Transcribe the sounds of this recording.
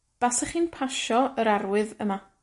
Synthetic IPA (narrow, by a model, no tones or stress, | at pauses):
b̥asaχiːnpʰaʃɔəɾarwɨðəma